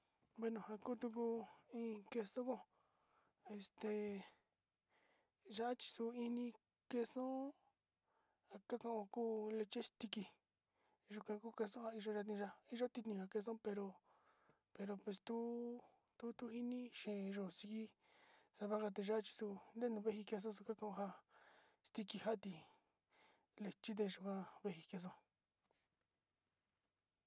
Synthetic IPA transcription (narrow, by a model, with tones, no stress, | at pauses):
be˧nõ˨ha˧kuː˦t̪u˧k̬u˧ĩː˧ke˧so˦kõ˧ | e˧st̪e˧˨ | ʒa˧˦a˦t͡ʃi̥˧su˧i˧nĩ˧ | ke˧sõ˦ | a˨ka˦kã˧ʔõ˧kuː˦le˧t͡ʃe˦st̪i˧ki˧˨ | ʒu˧kã˧kuː˦ke˧sõ˦ɦa˧i˧ʒo˧ʒa˧t̪ĩ˧ʒa˧i˦ʒo˦t̪i˧t̪ĩ˧ka˧ke˧s̬õ˦pe˧ɾo˧ | pe˧ɾo˧pwe˧st̪u˦ | t̪u˦t̪u˦hi˦nĩ˦ʃẽ˨˧ʒo˧˨si˧ki˦ | sa˧βa˦ka˧t̪̬e˧ʒa˦t͡ʃi̥˧su˧nd̪e˦˧nũ˧βe˦hi˧ke˧s̬õ˦s̬u˧ka˦kã˧ʔõ˧ɦa˧ | st̪i˧ki˧ha˦˧t̪i˧ | le˧t͡ʃi˦t̪̬e˧ʒu˧kã˧βe˧ɦi˧ke˧s̬õ˦